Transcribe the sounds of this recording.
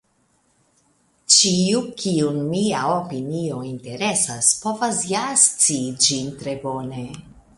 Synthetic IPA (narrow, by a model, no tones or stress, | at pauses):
t͡ʃiukʰiunmiaopinio̞inte̞ɾe̞saspo̞vasjast͡siːd͡ʒintɾe̞bo̞ne̞